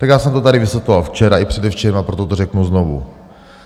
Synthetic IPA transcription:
t̪akjaːsɛmt̪ot̪aɾɪvɪsjɛt̪lovalft͡ʃɛɾaʔɪpr̥ɛdɛft͡ʃɛɛmapɾot̪ot̪orɛknuznovṵ

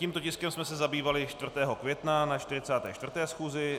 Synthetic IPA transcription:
ciːmt̪ocɪskɛmsmɛsɛzabiːvalɪt͡ʃt̪vr̩t̪ɛːɦo̞kvjɛt̪nanat͡ʃt̪ɪɾɪt͡saːt̪ɛ̰ːt͡ʃt̪vr̩t̪ɛːsxuːzɪ

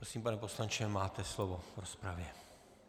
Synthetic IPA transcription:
pɾosiːmpanɛpo̞slant͡ʃɛmaːt̪ɛslovovɾospɾavjɛ

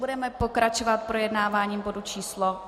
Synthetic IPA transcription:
budɛmɛpo̞kɾat͡ʃovat̪̚pɾojɛdnaːvaːɲiːmbo̞dut͡ʃiːslo

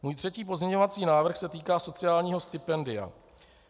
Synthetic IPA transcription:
muːjt̪r̥ɛciːp̬o̞zɲɛɲo̞vat͡siːnaːvr̩xsɛt̪iːkaːso̞t͡sɪjaːlɲiːɦo̞st̪ɪpɛndɪa̰

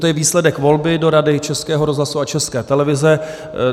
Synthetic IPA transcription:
t̪ojɛviːslɛdɛkvo̞lbɪdo̞ɾadɪt͡ʃɛskɛːɦoɾozlasuat͡ʃɛskɛːt̪ɛlɛvɪzɛ

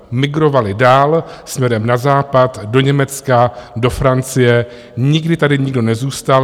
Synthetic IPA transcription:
mɪɡɾo̞valɪdaːlsmɲɛɾɛmnazaːpat̪do̞ɲɛmɛt͡skado̞fɾant͡sɪjɛ | ɲɪɡdɪt̪adɪɲɪɡdo̞nɛzuːst̪al

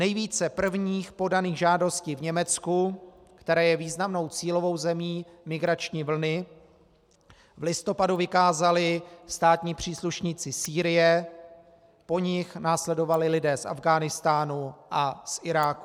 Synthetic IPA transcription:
nɛjviːt͡sɛpr̩vɲiːxpo̞daniːɣʒaːdo̞sciːvɲɛmɛt͡sku | kt̪ɛɾɛːjɛviːznamno̞wt͡siːlo̞vo̞wzɛmiːmɪɡɾat͡ʃɲiːvl̩nɪ | vlɪst̪o̞paduvɪkaːzalɪst̪aːt̪ɲiːpr̝̥iːsluʃɲit͡sɪsiːɾɪjɛ | po̞ɲɪxnaːslɛdo̞valɪlɪdɛːsʔa̰vɡaːnɪst̪aːnuʔasʔɪɾaːku̥

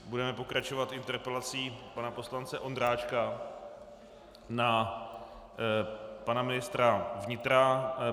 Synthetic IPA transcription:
budɛmɛpo̞kɾat͡ʃo̞vat̪ɪnt̪ɛɾpɛlat͡siːpanapo̞slant͡sɛʔo̞nd̪ɾaːt͡ʃka | na | panamɪnɪst̪ɾavɲɪt̪ɾa

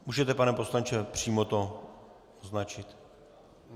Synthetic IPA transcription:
muːʒɛt̪ɛpanɛposlaɲt͡ʃɛpr̝̥iːmot̪o | znat͡ʃɪt̪

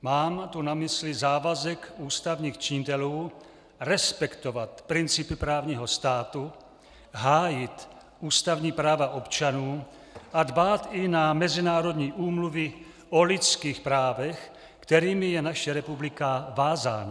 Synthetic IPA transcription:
maːmt̪unamɪslɪzaːvazɛkuːst̪avɲiːxt͡ʃɪɲɪt̪ɛluː | ɾɛspɛkt̪ovat̪pɾɪnt͡sɪpɪpɾaːvɲiːɦo̞st̪aːt̪u | ɦaːjɪt̪ | ʔuːst̪avɲiːpɾaːvaʔo̞pt͡ʃanuː | ʔadbaːt̪ɪnamɛzɪnaːɾo̞d̪ɲiːʔuːmluvɪ | ʔolɪt͡skiːxpɾaːvɛx | kt̪ɛɾiːmɪjɛnaʃɛɾɛpublɪkavaːza̰ːna

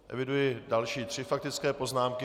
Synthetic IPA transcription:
ʔɛ̰vɪdujɪdalʃiːt̪r̝̥ɪfak̚t̪ɪt͡skɛːpo̞znaːmkɪ

